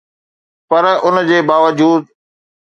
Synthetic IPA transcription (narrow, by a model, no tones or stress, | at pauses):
pɐɾʊnd͡ʑeːbaːʋəd͡ʑuːd̪̚